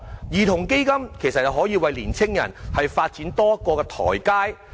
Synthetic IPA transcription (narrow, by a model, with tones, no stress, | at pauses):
jiː˨t̪ʰʊ˨˩ŋke˥jkɐ˥mkʰe˨˩jsɐ˨t̚jɐ˨wɦɔː˨˥jiː˧wɐ˨jliː˨˩nt͡sʰɪ˥ŋjɐ̰˨˩nhɐ˨jfaː˧t̚t͡siː˨˥nt̪ɔː˥jɐ˥t̚kɔː˧kɛː˧t̪ʰɔ̰ː˨˩jkaː˥j